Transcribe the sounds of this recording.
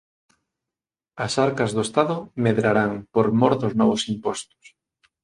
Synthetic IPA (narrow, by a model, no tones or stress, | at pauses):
ɐsaɾkɐzðoest̪aðʊmeðɾaɾaŋpoɾmɔɾðoznɔβosimpɔst̪ʊ̥s